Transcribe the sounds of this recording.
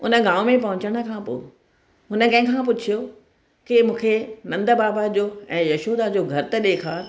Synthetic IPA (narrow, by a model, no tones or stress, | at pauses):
ʊnə̆ɡãːʋmẽp̬ɐɦʊ̃ɲt͡ɕəɽ̃ə̆kʰãːpo̰ː | ɦʊnə̆kɐ̃ɦɪ̃kʰãp̬ʊt͡ɕʰijo | kɪmũːkʰenɐ̃nd̪əbaːbad͡ʑoːɛ̃ːjɐʃoːd̪ad͡ʑoːɡʱɐɾt̪ɐɗeːkʰaːɾ